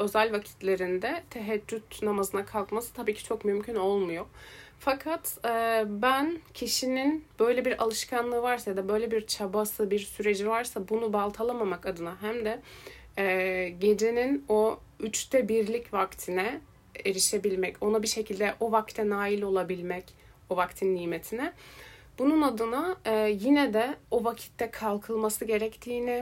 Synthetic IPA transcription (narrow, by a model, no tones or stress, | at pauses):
ø̞zælʲvacʰi̥t̪lʲe̞ɾind̪ɛt̪ʰeɦɛd͡ʒːyt̪namazɯnakʰalˠkmasɯt̪ʰabiːcʰi̥t͡ʃʰo̞kmymcʰyno̞lˠmujo̞fakʰat̪ɯbæncʰiʃininb̥ø̞jlʲebiɾa̰lˠɯʃkʰanlˠɯːvaɾsajad̪abø̞jlʲebiɾt͡ʃʰabasɯbiɾsyɾe̞d͡ʒivaɾsabunubalˠt̪ʰalˠamamakad̪ɯnaɦæmd̪ɛː | ɟe̞d͡ʒe̞nino̞ | yt͡ʃt̪ʰɛbiɾlʲicvakt̪ʰinɛ | eɾiʃe̞bilʲmɛco̞nabiʃe̞cʰilʲd̪ɛʔo̞vakt̪ʰɛnaːilʲo̞lˠabilʲmɛc | o̞vakt̪ʰinːiːme̞t̪ʰinɛbununad̪ɯnaːjinɛd̪ɛo̞vacʰi̥t̪ʰːɛkʰalˠkʰɯlˠmasɯɟe̞ɾɛct̪ʰiːni